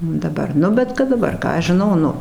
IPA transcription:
dɐˈbɐr ˈnʊ bʲɛt kɐt dɐˈbɐr ˈkɑː ɐʃ ʒʲɪˈnɐʊ ˈnʊ

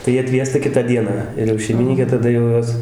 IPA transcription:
tɐɪ ˈjiɛ ɐtʲˈʋʲiɛstɐ ˈkʲɪtɑː ˈdʲiɛnɑː ɪr jɛʊ ʃʲɛɪmʲɪˈnʲiːkʲeː tɐˈdɐ jɛʊ ˈjoːs

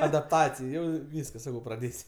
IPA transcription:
ɐdɐpˈtɑːt͡sʲɪj ˈjɛʊ ˈʋʲiːskɐs ˈsɑːkɐʊ prɐˈdʲeːsʲ

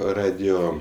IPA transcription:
ˈrɑːdʲɪjoː

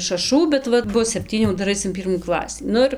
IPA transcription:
ʃɐˈʃuː bʲɛt ˈʋɐt ˈbʊs sʲɛpʲˈtʲiːnʲuː ˈdɐr ˈɐɪs ɪn ˈpʲiːrmuː ˈklˠɑːsʲiː ˈnʊ ɪr

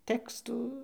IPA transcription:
ˈtʲæːkstuː

